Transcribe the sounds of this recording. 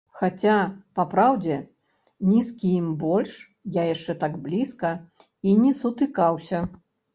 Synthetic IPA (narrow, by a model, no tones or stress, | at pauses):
xat͡sʲapapɾawd͡zʲɛ | nʲiskʲijimbɔlʲʂ | jajaʂt͡ʂɛt̪aɡblʲiskɐ | inʲɛsut̪ɨkawsʲɐ